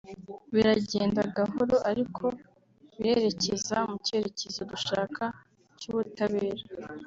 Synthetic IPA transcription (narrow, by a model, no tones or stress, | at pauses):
βiɾaɟeːndaɡaɦo̞ɾo̞ʔaɾikʰo̞ | βiɾe̞ɾe̞cezamuce̞ɾe̞ce̞zoduʃaːkʰa | cuːβutaβe̞ːɾa